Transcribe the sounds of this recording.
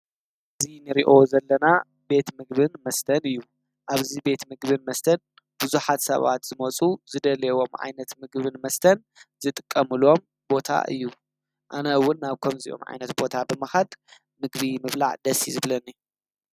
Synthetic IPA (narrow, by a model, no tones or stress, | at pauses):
ʔʔɨzinɨɾiʔo̞zɐlːɐna | be̞t̪mɨɡbɨnmɐst̪ʰɐnɨjːu | ʔaβzibe̞t̪mɨɡbɨnmɐst̪ʰɐn | b̥uzuħat̪sɐ̰βa̰t̪z̥ɨmɐt͡sʼuzɨd̪ɐlewo̞mʕa̰jnɐt̪mɨɡβɨnmɐst̪ʰɐn | zɨt̪ʼɨ̥kʼːɐmɨlo̞m | bo̞t̪ʰa̰ʔɨ̰jːu | ʔanɐwʊnːaβkʰomziʔo̰mʕa̰jnɐt̪bo̞t̪ʰabɨmɐxad̪ | mɨɡbimɨβla̰ʕd̪ɐsizɨβlɐnːi